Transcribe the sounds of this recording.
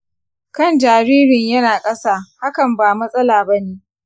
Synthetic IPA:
kɐ˦˨nd͡ʒaː˨ɾiː˦ɾɪ˨ɲjɐ˦naː˨kʼɐ˦saː˦ha˦kɐ˨mbaː˨mɐ˦sʼɐ˦laː˨bɐ˦neː˦

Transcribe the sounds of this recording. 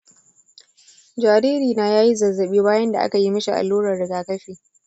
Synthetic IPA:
d͡ʒaː˨ɾiː˦ɾiː˨naː˨jaː˦ji˦zɐ˨zːɐ˨ɓiː˦baː˦jɐ˦nda˨ʔa̰˦ka˨ji˦mɐ˦ʃi˨ʔa̰˨lːuː˦ɾɐ˨rdɪ˨ɡaː˨kɐ˦ɸeː˨

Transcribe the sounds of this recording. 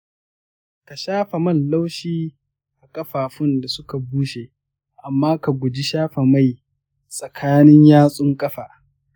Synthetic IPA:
ka˨ʃaː˦ɸa˨mɐ˦˨nla˦wʃiː˦ | ʔa˨kʼɐ˦ɸaː˨ɸʊ˦nda˨sʊ˦ka˨buː˦ʃe˨ʔ | ʔa˨mːaː˦ka˨ɡʷʊ˨d͡ʒi˦ʃaː˦ɸe˨ma˦˨j | sʼɐ˨kʰaː˦nɪ˦ɲjaː˦sʼʊ˦ŋkʼɐ˦ɸaː˨

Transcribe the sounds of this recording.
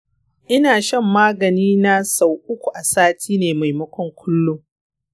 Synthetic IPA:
ʔɪ˦naː˨ʃɐ˦mːaː˦ɡɐ˨niː˦na˦sa˨wʔʊ˦kʷu˨ʔa˨saː˦tʰiː˦neː˨ma˨jmɐ˦kʷɔ˦ŋkʷʰʊ˦lːʊ˦ŋ

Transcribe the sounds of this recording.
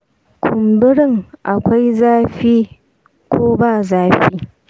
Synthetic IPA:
kʷʰʊ˨mbɪ˦ɽɪ˦ŋʔa˨kʷa˦jzaː˦ɸiː˦ | kʷʰoː˦baː˦˨zaː˦ɸiː˦

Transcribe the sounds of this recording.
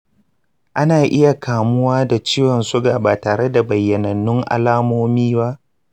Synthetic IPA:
ʔa˦naː˨ʔɪ˦ja˨kʰaː˨mʊ˦waː˦da˨t͡ʃiː˦wɔ˨nsʊ˦ɡaː˨baː˨taː˨ɽe˦da˨bɐ˨jːɐ˨nɐ˨nːʊ˦ŋʔa̰˦laː˦moː˦miː˦ba˦ʔ

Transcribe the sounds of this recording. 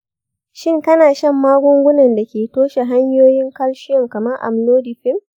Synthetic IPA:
ʃɪ˦ŋkɐ˦naː˨ʃɐ˦˨mːaː˦ɡʷʊ˦ŋɡʷʊ˦nɐ˨nda˨kʲeː˨toː˦ʃa˨ɦa˦ɲjoː˦jɪ˦ŋkɐ˦lʃɪ˦jɔ˨ŋkɐ˨mɐ˦rʔa̰˨mloː˦di˨ɸɪ˦m

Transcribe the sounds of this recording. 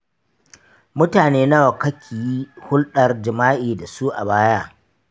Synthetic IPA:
mʊ˦taː˨neː˦na˦wɐ˨kɐ˦kʲʰiː˨ji˦hʊ˦lɗɐ˨rd͡ʒɪ˨maː˦ʔiː˨da˨su˦ʔa˨baː˦ja˦

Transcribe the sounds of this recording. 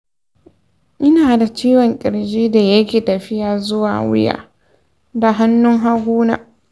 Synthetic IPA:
ʔɪ˦naː˨da˨t͡ʃiː˦wɔ˨ŋkʲʼɪ˨ɾd͡ʒiː˦da˨jɐ˦kʲeː˨tɐ˨ɸɪ˦jaː˨zʊ˦wa̰ː˨wɪ̰˦ja̰ː˨ | da˨ɦa˦nːʊ˦ŋɦa˦ɡʷuː˦na̰ː˨

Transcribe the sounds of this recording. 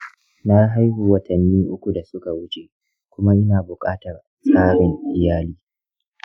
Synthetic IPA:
na˦ɦa˦jhuː˨wɐ˨tʰɐ˨nːiː˦ʔʊ˦kʷu˨da˨sʊ˦ka˨wʊ˦t͡ʃeː˨ | kʷʊ˦ma˦ʔɪ˦naː˨bʊ˨kʼaː˦tɐ˨r | sʼaː˦ɽɪ˨ŋʔɪ˨jaː˦liː˦

